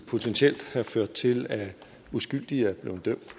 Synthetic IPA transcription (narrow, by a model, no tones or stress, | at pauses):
pʰo̝t͡sʰenɕiel̰d̥hæføɐ̰d̥̚t͡sʰe̝læ | usɡ̥yl̰d̥iæb̥le̝ʊn̩d̥øm̰d̥